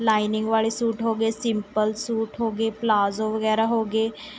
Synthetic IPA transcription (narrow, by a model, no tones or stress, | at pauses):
laːɪnɪ̃ŋɡʋaːɭisuːʈɦoːɡeːsɪmpəlsuːʈɦoːɡeːplaːzoʋɐɡɛːɾaɦoːɡeː